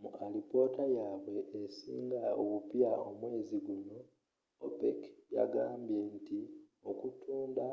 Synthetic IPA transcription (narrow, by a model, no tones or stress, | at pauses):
muʔalipo̞ːtajaːβwe̞ːsḭːŋɡaoβupjaomwe̞ːziɡuno̞ | o̰pḛkja̰ɡaːmbje̞nti | o̞kutuːnda